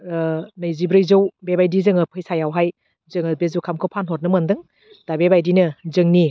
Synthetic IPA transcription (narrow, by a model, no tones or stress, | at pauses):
nɯjzibɾɯjzowbebajdizɯŋɯpʰɯjsajawɦaj | zɯŋɯbezukʰamkʰowpʰanɦɔt̚nɯmɯndɯŋ | d̥abebajdinɯzɯŋni